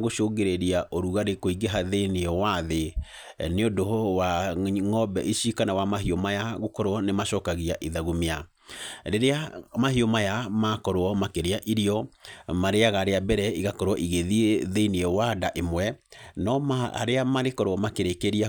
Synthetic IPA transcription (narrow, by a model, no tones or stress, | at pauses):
ɣoʃoːɡeɾeɾiaʔoɾuɣaɾekoiɡeɦaðeniɔwaðe | neodowaŋɔbɛʔiʃikanawamaɦiomajaɣokɔɾoɔnemaʃɔːkaɣiaʔiðaɣomea | ɾeɾeamaɦiomajamakɔɾoɔmakeɾeaʔiɾiɔmaɾeaɣaɾeabɛɾɛiɣakɔɾwɔʔiɣeðiðeiniɛwadaʔemwɛnɔaa̰ɾeamaɾekɔɾoɔmakeɾekeɾia